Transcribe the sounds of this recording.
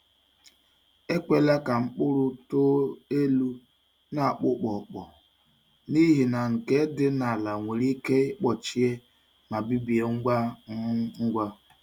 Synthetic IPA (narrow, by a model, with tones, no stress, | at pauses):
e˦kʷe˦la˦ka˨ŋ͡m̩˦k͡pʊ˦ɾʊ˦to˦e˦lu˦ | na˨a˨k͡pʊ˦k͡pɔ˨k͡pɔ̰˨ | ni˦ɦi˨na˨ŋ̩˨ke˦dɪ˦na˨a˨la˨ŋʷe˨ɾi˦ke˦k͡pɔ˨t͡ʃi˦e˦ | ma˨bi˦bi˨e˨ŋ˦a˦ | ŋ̩˦ɡʷa˦